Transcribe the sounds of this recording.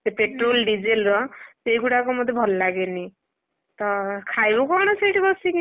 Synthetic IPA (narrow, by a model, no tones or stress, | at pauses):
sepeʈɾolɖid͡ʒelɾɔsejɡuɽakɔmɔd̪ʱebʱɔlɔlaɡeni | t̪ɔkʰajbɔkɔɾɽ̃ɔsejʈibɔsiki